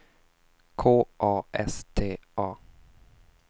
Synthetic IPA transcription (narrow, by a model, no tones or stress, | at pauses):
kʰoːʔɑːʔɛst̪ʰeːʔɑː